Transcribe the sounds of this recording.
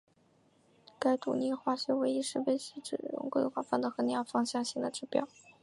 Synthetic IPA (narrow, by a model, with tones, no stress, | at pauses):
ka˥ɪt̪ṵ˨˩ni˥˩xwa˥˩ɕjɛ˧˥we˧˥ɪi˧˥ʂɻ̩˥˧we˥˧ɪɕi˧˥ʈ͡ʂɻ̩˥˩ɻʊ̰˧˥ŋkwe˥˧ɪxwa˥˩fa˥˩nd̪ə˧˩xɤ˧˥n˥˧ɑ˥˩fɑ˥ŋɕjɑ˥˧ŋɕi˥˩ŋd̪ə˩ʈ͡ʂɻ̩˥˩pjɑ̰˨˩ʊ